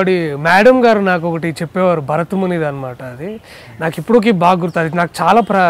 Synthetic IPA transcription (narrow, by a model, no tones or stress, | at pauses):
oɽimaːɽɐmɡaːɾunaːk̬okɐʈit͡ʃepːeːʋaɾubʱɐɾɐt̪umɐnid̪anɐmaːʈaːd̪i | naːkipːuɽoːk̬ibaːɡuɾt̪aːd̪inaːku̥t͡ʃaːlaːpɾɐ